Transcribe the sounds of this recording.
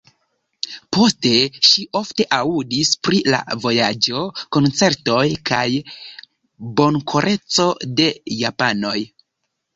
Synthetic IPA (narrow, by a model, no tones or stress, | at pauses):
po̞ste̞ʃiʔo̞fte̞ʔaudispɾila̰vo̞jad͡ʒo̞ko̞nt͡se̞ɾto̞jkʰaj | bo̞nkʰoɾʔe̞t͡so̞de̞japano̞j